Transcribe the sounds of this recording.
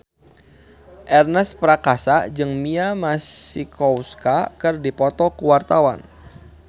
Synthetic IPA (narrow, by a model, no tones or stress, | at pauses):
ʔɛrnɛspɾakasad͡ʒɨŋmiamasikʰɔwskakɨrdipɔt̪ɔkuwart̪awa̰n